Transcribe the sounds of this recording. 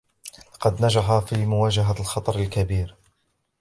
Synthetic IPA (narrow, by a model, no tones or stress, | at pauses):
lɑqɑd̪nad͡ʒaħafiːmʊwaːd͡ʒaɦalxɑt̪ˤɑɾˤalkabiːɾ